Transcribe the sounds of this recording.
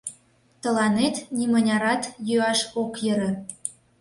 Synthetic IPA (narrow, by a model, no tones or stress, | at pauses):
t̪ə̆lɑnet̪nimə̆nʲɑɾɑt̪jøɑʃokjə̆ɾɤ̆